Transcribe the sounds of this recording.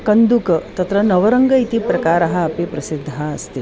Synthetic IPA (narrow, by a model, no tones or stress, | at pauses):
kɐnd̪ukɐt̪ɐt̪ɾɐnɐʋɐɾɐŋɡɐit̪ipɾɐkaːɾɐɦɐɐpipɾɐsid̪ʱːɐɐst̪i